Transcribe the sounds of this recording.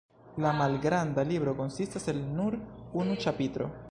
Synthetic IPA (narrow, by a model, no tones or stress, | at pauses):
lamalɡɾandalibɾo̞ko̞nsistase̞lnuɾunut͡ʃapitɾo̞̰